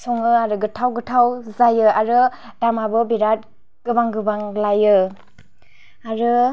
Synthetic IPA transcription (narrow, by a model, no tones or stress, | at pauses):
sɔŋɯaɾɯɡɯtʰawɡɯtʰawzajɯaɾɯ | damabɯbiɾat̚ | ɡ̥ɯbaŋɡɯbaŋlajɯ | aɾɯ